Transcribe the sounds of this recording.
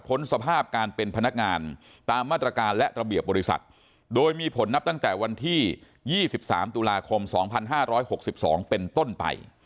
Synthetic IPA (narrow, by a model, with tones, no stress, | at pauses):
pʰo˦˥nsa˧pʰaː˥˩p̚kaː˧npe˧npʰa˧na˦˥k̚ŋaː˧n | t̪aː˧mːaː˥˩t̪ɾa˧kaː˧nlɛ˦˥ʔɾa˧bi˨˩əp̚bɔː˧ɾi˦˥sa̰˨˩t̪̚ | doː˧jmiː˧pʰo˩˦nːa˦˥p̚t̪a˥˩ŋt̪ɛː˨˩wa˧nt̪ʰiː˥˩ | jiː˥˩si˨˩p̚sa̰ː˩˦mt̪u˧laː˧kʰo˧msɔː˩˦ŋpʰa˧nɦaː˥˩ɾɔː˦˥jho˨˩k̚si˨˩p̚sɔ̰ː˩˦ŋpe˧nt̪o˥˩npa̰˧j